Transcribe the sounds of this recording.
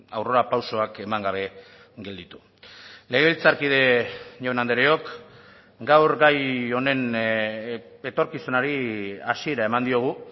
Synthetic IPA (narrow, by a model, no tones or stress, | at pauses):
awro̞ɾapawso̞ake̞maŋɡaβ̞e̞ | ɡeld̪it̪u̥ | le̞ɣ̞e̞βilt͡saɾkið̞e̞ʝoenand̪eɾeo̞k | ɡawɾɡajo̞ne̞n | e̞t̪o̞ɾkisunaɾia̰sie̞ɾae̞mand̪io̞ɣ̞u